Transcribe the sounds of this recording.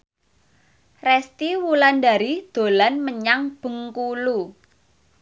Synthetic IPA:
rɛst̪iwuland̪aɾid̪̥o̤lanməɲaŋb̥ə̤ŋkulu

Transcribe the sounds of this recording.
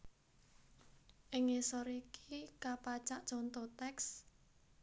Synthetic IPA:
ʔɪŋesɔɾikikapat͡ʃaʔt͡ʃɔnt̪ɔt̪ɛks

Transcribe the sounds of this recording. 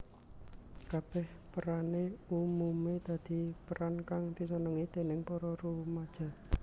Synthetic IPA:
kab̥ɛhpəɾaneumumed̪̥a̤d̪̥i̤pəɾankaŋb̪̥i̤s̬ɔnəŋit̪e̤nɪŋpɔɾɔɾumad̥ʒ̥a̤

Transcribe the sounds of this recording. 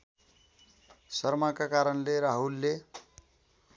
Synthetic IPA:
sʌrmakakaɾʌnleɾaɦulːe

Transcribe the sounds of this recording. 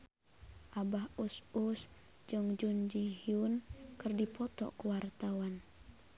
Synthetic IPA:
ʔabahusus | d͡ʒɨŋd͡ʒund͡ʒihiunkɨrdipɔt̪ɔ̰kuwart̪awan

